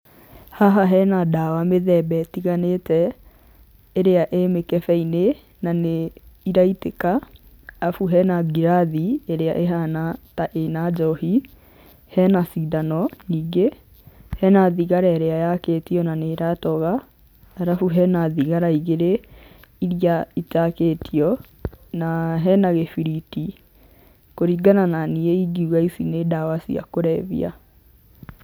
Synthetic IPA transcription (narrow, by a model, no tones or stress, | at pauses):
haɦaɦɛnadawameðɛbɛtiɣanetɛ | ɾeaʔemekɛfɛine | naneiɾaiteka | afuɦɛnaɡiɾaðieɾeaʔeɦanataʔenad͡ʒɔhi | hɛnasidanɔniːɡe | hɛnaðiɣaɾaɛɾeajaketiɔnaneɾatɔɣaː | ɾafuɦɛnaðiɣaɾaiɣeɾeiɾijaitaketʰiɔ | naɦɛnaɣefiɾiti | koɾiɡanananieiɡiuɣaisinedawasḭa̰koɾɛvḭa̰